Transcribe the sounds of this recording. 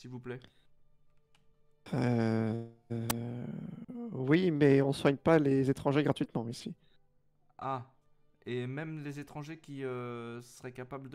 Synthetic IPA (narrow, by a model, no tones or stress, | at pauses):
silvuplɛ | ø | wimɛɔ̃swaɲpalezet̪χɑ̃ʒeɡʁat̪ɥit̪mɑ̃isi | a | emɛmlezet̪χɑ̃ʒekʲiøsəʁɛkapabld̪